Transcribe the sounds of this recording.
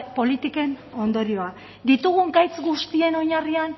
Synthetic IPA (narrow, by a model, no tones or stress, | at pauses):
po̞lit̪ike̞no̞nd̪o̞ɾio̞a | d̪it̪uɣ̞uŋɡajt͡sɡust̪ie̞no̞ɲarian